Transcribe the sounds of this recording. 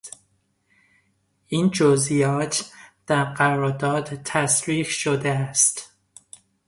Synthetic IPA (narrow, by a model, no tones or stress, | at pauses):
ind͡ʒozijɒːt̪ʰd̪̥æɾɢæɾɒːɾd̪ɒːd̪t̪ʰæsɾiːhʃod̪eæst̪